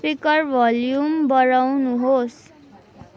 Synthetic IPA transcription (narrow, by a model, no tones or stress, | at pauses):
pikʌrbʱʌljumbʌɾawnuɦos